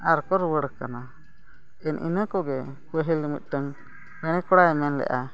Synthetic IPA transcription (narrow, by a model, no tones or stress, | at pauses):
aɾkɔɾwəɽəkana | ɛnʔḭnəkɔɡɛ | pəɦilimḭt̪̚ˀʈəŋ | pɛɽ̃ɛkɔɽaɛmɛnlɛ̰ʔa